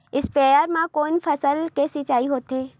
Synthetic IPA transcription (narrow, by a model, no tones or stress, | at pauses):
ɪspɛːjəɾmãkoːnfʰɐsəlkesɪt͡ʃaːiɦoːt̪ɦeː